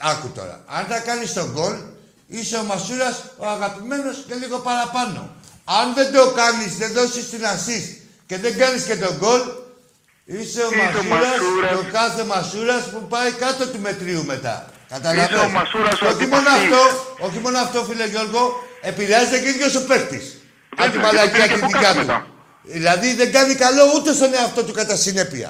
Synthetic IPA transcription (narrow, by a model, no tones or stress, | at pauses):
ɐkut̪o̞̰ɾɐ̰ɐnt̪ɐkɐnist̪o̞ɡo̞l | ise̞omɐsuɾɐso̞aɣɐpime̞no̞sce̞liɣo̞pɐɾɐpɐno̞̰ɐnðe̞nd̪o̞kɐnizðe̞nðo̞sist̪inɐsis | ce̞ðe̞ŋɡɐnisce̞t̪o̞ɡo̞l | ise̞omauɾɐssokɐθe̞mɐsuɾɐspupɐikɐt̪o̞t̪ume̞t̪ɾiume̞t̪ɐ̰kɐt̪ɐlɐveneoçimo̞noɐft̪o̞oçimo̞noɐft̪o̞filɐʝo̞ɾɣo̞e̞piɾeɐzet̪e̞ciðʝo̞so̞pe̞xt̪ḭs | ɐt̪imɐlɐciɐt̪it̪icɐt̪ṵ | ðilɐðiðe̞ŋɡɐnikɐlo̞ut̪e̞st̪o̞neɐft̪o̞t̪ukɐt̪ɐsine̞pḭɐ̰